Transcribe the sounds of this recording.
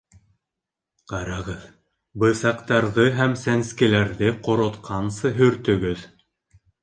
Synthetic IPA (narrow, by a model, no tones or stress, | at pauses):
qɑɾɑʁɤð | bɤ̆sɑqt̪ɑɾðɤɦæmsænskɘ̆læɾðɘqŏɾŏt̪qʰɑnsɤɦɵ̆ɾt̪ɵ̆ɡɵð